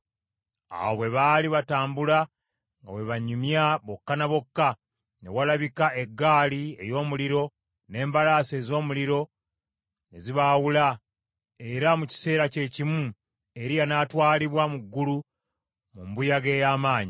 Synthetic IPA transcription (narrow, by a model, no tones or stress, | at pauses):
a̰oβwe̞βaliβataːmbula | ŋɡa̰we̞βaɲumjaβo̞kːanaβo̞kːa | ne̞̰walaβikaʔe̞ɡːaːlie̞̰jo̞ːmuliɾo̞ | ne̞ːmbalaːse̞ːzo̞ːmuliɾo̞ | ne̞̰ziβawula | e̞ɾamuci̥se̞ːɾace̞cimu | e̞ɾijanatwaːliβwamuɡːulu | mumbujaɡe̞ːjaːmaːɲi